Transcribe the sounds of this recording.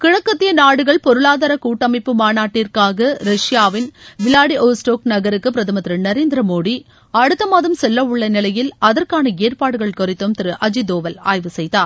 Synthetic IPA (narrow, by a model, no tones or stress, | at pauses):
kɪɻɐkːɐt̪ːɪjɐnaːɽɯɣɐɭpɔɾɯɭaːðɐːɾɐkuːʈːɐmɐɪpːɯmaːnaːʈːirkaːɣɐɾɐʂjaːʋɪnʋɪlaːɽiʔoːsʈoːknɐɣɐɾɯkːɯp̬ɪɾɐðɐmɐt̪ɾɯnɐɾeːnd̪ɪɾɐmoːɽi | ɐɽɯt̪ːɐmaːðɐmsɛlːɐʊɭːɐnɪlɐjɪlɐðɐrkaːnɐeːrpaːɽɯɣɐɭkʊɾɪt̪ːɯmt̪ɪɾɯʔɐd͡ʒid̪oːʋɐla̰ːjʋɯsɛjt̪aːɾ